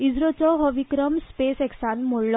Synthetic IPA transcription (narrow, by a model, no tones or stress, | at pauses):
izɾot͡sɔɦɔʋikɾɔmspeseksanmoɭlɔ